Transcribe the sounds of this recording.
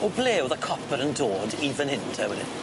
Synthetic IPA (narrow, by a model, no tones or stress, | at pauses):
ɔbleːwðakʰɔpʰəɾəndoːdivənhɪntʰɛwɛdɪ̰n